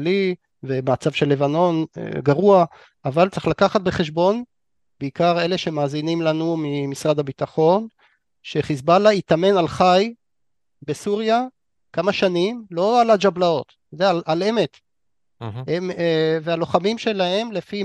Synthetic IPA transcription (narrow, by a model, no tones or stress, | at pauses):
li | vemat͡sav̥ʃelːe̞vano̞nḛɡaʁua | avalt͡se̥χlakaχat̪̚be̞χe̞ʃ̬bo̞n | beikaʁe̞le̞ʃe̞maːzinimlanumimisʁad̪abit̪aχo̞n | ʃeχisbalait̪ame̞nalχaj | be̞suʁja | kamaʃanimlo̞alad͡ʒablao̞t̪ | od̪ealalemet̪ | emevealo̞χamimʃe̞lahe̞mle̞fi